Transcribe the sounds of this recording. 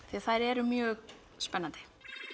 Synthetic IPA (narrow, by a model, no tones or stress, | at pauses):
θiaθajɾɛɾʏmjœːɣ | spɛnːant̪ɪ̥